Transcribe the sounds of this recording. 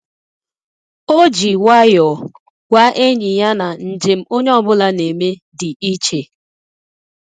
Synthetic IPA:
o˦d͡ʒi˨wa˦jɔ˨ | wa˦ʔe˦ɲi˨ɲa˦na˨n̩˨d͡ʒe˨m̩˦o˦ɲe˦ɔ˨bʊ˦la˦ne˨me˦ | dɪ˨i˦t͡ʃe˨

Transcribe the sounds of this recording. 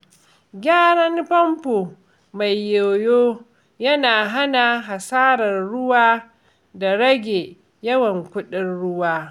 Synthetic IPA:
ɡʲaː˦ɽɐ˦ŋpɐ˦mpoː˨ | ma˨jːoː˨joː˦ | jɐ˦naː˨ɦa˦na˨ɦa˨saː˦ɾɐ˨rɽʊ˦waː˦ | da˨ɽɐ˦ɡʲe˨ | jɐ˦wɐ˨ŋkʷʊ˦ɗɪ˦nɽʊ˦waː˦

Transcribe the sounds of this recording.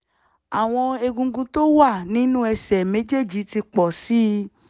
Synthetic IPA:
a˨w̃ɔ̃˧e˧ɡũ˧ɡũ˧to˦wa˦˨nĩ˦nũ˦ɛ˧sɛ˨me˨˦d͡ʒe˦˨d͡ʒi˨˦ti˧k͡pɔ˨si˦

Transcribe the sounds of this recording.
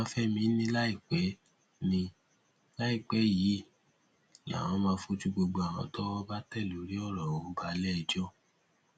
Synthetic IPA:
ã˧˦fɛ˦mĩ˧˦nĩ˦la˦i˦˨k͡pɛ˨˦ | nĩ˧ | la˦i˦˨k͡pɛ˨˦˨ji˨˦ | ja̰˨w̃ɔ̃˨˧˦mã˧fo˧tu˦ɡ͡bo˧ɡ͡bo˧a˨wã̰˧˦tɔ˦wɔ˦ba˦tɛ˦˨lo˨˦ɾi˦ɔ˦˨ɾɔ˨wo˨˦ba˧lɛ˦˧˨d͡ʒɔ˦

